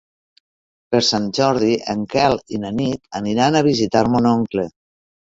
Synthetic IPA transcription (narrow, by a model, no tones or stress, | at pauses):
peɾsanʒɔɾðiəŋkɛlˠinənit̪əniɾanaβ̞izit̪aɾmonoŋkle